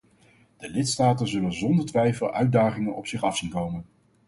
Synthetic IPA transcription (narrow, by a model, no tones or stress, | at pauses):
d̥əlɪtstaːtənzɵlənzɔndəɹtʋɛjfəlˠœɥdaːχɪŋənɔpsɪχɑfsinkowmən